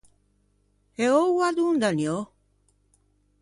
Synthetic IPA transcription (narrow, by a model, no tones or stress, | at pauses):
eowad̪und̪anjo